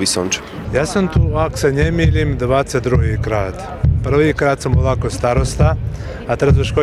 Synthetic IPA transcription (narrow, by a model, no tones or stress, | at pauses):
ʋisont͡ʃ | jaːsamt̪uːako̥senemiːlimd̪ʋaːt̪set̪d̪ɾuɡiːkɾaːt̪ | pr̩ʋiːkɾaːd̪samoʋakost̪aɾost̪a | at̪eɾazoʃko